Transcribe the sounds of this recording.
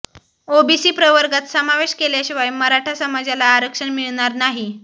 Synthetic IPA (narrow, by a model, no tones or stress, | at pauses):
obisiːpɾəʋəɾɡat̪səmaʋeɕkeljaɕiʋajməɾaʈʰasəmad͡zjalaːɾəkʂəɳmiɭɳ̃aɾnaɦi